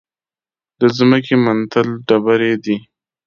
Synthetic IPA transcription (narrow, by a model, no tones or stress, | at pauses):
d̪̥əzməkemant̪əlɖabaɾed̪i